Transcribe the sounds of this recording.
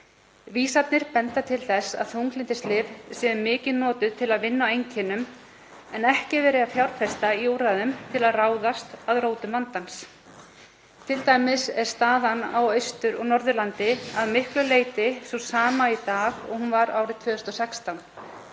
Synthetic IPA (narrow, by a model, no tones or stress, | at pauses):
viːsat̪nɪɾ̥pɛnt̪at̪ʰɪlθɛsa̰ðθuŋklɪnt̪ɪst̪lɪvsɛðʏmɪːcɪðnɔːt̪ʏðt̪ʰɪlaðvɪnːawejɲcʰɛnːʏm | ɛnɛhcɪvɛːɾɪafjawɾfɛst̪aiuːɾaðʏmt̪ʰɪlaðraːwðast̪aðroːwt̪ʏmvant̪ans | t̪ʰɪlt̪aːjmɪsɛɾ̥st̪aːðanawœjst̪ʏɾɔɣnɔɾðʏlant̪ɪaðmɪhklʏleːjt̪ɪsɔsaːmait̪aːɣɔ̰ɣhunvaɾa̰ːwɾɪðt̪ʰvœːʏst̪ɔsɛkst̪awn